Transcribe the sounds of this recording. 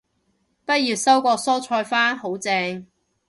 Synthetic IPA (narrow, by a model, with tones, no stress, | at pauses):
pɐ˥t̚jiː˨˩tsɐ˥wkɔː˧sɔː˥t͡ʃʰɔː˧jfaː˥nho˨˥wt͡sɛː˧ŋ